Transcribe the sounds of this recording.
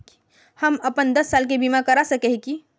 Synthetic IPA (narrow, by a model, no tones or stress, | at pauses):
hɐmɐpənd̪ɐsːaːlk̬ebimakɐɾasɐkeɦki